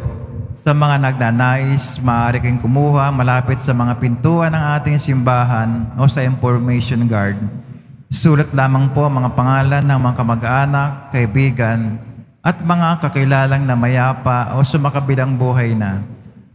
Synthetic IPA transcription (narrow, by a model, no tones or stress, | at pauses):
sɐmɐŋanɐɡ̚nanaːʔɪsmɐʔaːɾɪkɐɪŋkʊmuːhɐmɐlaːpɪt̪sɐmɐŋapɪnt̪uːʔɐnɐŋʔaːt̪ɪŋsɪmbaːɦɐnʔo̞sɐʔɪnfoɹmɛjʃonɡaɹd̪̚ | suːlɐt̪laːmɐŋpoʔɐŋmɐŋapɐŋaːlɐnːɐŋmɐŋakɐmɐɡʔaːnɐkːɐʔɪbiːɡɐnʔɐt̪̚mɐŋakɐkɪlaːlɐŋnɐmɐjaːpaʔo̞sɐmɐkɐbɪlaŋbuːɦɐjnɐ